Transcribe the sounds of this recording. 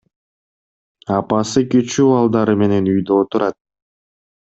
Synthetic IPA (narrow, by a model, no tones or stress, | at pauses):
ɑpɑsɯkyt͡ʃyɑlˠd̪ɑɾɯme̞ne̞nyjd̪øot̪uɾɑt̪̚